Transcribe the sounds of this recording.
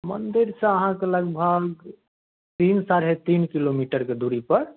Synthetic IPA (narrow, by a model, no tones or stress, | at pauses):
mənd̪iɾsə̃əɦãkeləɡbʱəɡ | t̪insaɾɦet̪inkilomiʈəɾked̪uɾipəɾ